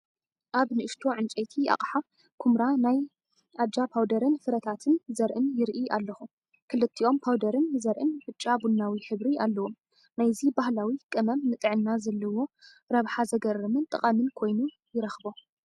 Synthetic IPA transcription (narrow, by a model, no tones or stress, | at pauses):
ʔaβnɨɨʃt̪ʰo̞ʕɨnt͡ʃʼejt̪ʰia̰χʼħa | kʰumɾanaj | ʔadapʰawd̪ɐɾɨnfɨɾɐt̪ʰat̪ʰɨnzɐɾʔɨnjɪɾʔiʔalːɐxu | kʰɨlɨt̪ʰːiʔo̞mpʰawd̪ɐɾɨnzɐɾʔɨnbɨt͡ʃʼːabunːawiħɨβɾialːɐwo̞m | najzibahlawikʼɨmɐmnɨt̪ʼɨʕɨnːazɐlːɐwo̞ | ɾɐβħazɐɡɐrɐmɨnt̪ʼɨqʼɐmɨnkʰo̞jnu | jɪɾɐxbo̞